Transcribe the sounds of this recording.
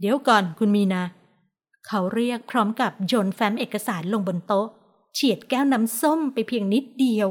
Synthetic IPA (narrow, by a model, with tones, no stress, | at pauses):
di˨˩˦wkɔː˨˩nkʰu˧nmiː˧naː˧ | kʰa˦˥wɾi˥˩ək̚pʰɾɔː˦˥mka˨˩p̚t͡ɕoː˧nfɛː˦˥mʔeː˨˩kːa˧saː˩˦nlo˧ŋbo˧nt̪o˦˥ʔ | t͡ɕʰi˨˩ət̪̚kɛː˥˩wnaː˦˥mso˥˩mpa˧jpʰi˧əŋni˦˥t̪̚di˧əw